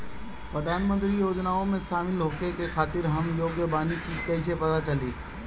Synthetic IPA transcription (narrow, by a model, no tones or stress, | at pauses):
pɾəd̪ʱaːnmə̃nt̪ɾijoːd͡ʒnaːõmẽʃaːmɪlɦoːkekexʰaːt̪ɪɾɦɐmjoːɡjəbaːnikikɐɪsepɐt̪at͡ʃɐliː